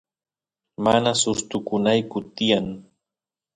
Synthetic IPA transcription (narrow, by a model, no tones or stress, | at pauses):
manasʊst̪ʊkʊnajkʊt̪ɪjaŋ